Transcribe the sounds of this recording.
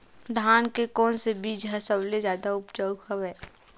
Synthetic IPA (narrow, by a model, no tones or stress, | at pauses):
d̪ʱaːnkekɔːnsebiːd͡ʒɦəsəblezjaːd̪aʊpd͡ʒəhəʋɛː